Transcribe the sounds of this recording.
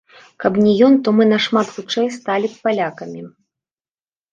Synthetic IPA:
kɐpnʲɛjɔnt̪ɔmɨnɐʂmat̪xut͡ʂɛjst̪alʲipalʲakɐmʲi

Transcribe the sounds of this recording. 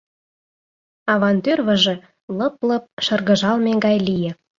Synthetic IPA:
ɑβɑnt̪ørβə̆ʒĕ | lɤplɤp̚ʃɤ̆rɣə̆ʒɑlmeɡɑjlijĕ

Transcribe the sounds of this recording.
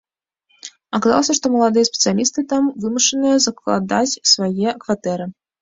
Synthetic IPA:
akɐza̰lˠɐsʲɐʂt̪ɔmɐlˠad̪ɨjɐspʲɛt̪sɨjalʲist̪ɨt̪amvɨmuʂɨnɨjɐzɐklˠa̰d̪at͡sʲsvajɛkvat̪ɛɾɨ

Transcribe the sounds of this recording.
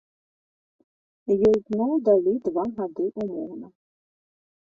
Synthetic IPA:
jɔznɔd̪ɐlʲɪd̪ʋɑɦɐd̪ɪʔʊmɔ̰wnɐ

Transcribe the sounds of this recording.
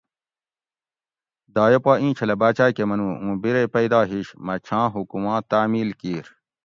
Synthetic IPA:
d̪aːjopaːĩːt͡ɕʰɐlɐbaːt͡ɕaːkemɐnũːũːbiɾepɐid̪aːɦiɕmɐt͡ɕʰãːɦukumãːt̪aːmiːlkiːɾ

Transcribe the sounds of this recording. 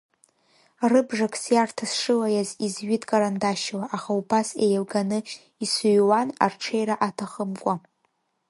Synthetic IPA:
rɨbʐakʰʼsjartʰasʂɨlajazizɥɪtʼkʼaɾandaʃlaʔaχaubasejalɡanɨ | isuɥwanarʈ͡ʂʰejɾaʔatʰaχəmkʷʼa

